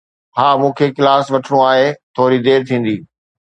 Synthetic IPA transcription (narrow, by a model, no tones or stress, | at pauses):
haːmũːkʰeːkɪlaːsʋɐʈʰɽ̃ũaːɦet̪ʰoːɾid̪eːɾt̪ʰĩːn̆d̪iː